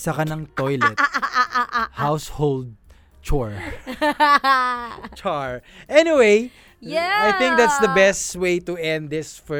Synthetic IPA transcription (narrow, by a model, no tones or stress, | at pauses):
sɐkɐnɐŋt̪ojlɛt̪ | hawshold̪̚ | t͡ʃɔɹ | t͡ʃaɹʔɛniwej | ajθɪ̃ŋk̚d̪æt̪sðɐbɛst̪weɪt̪ʊɛ̃nd̪ðɪsfɔ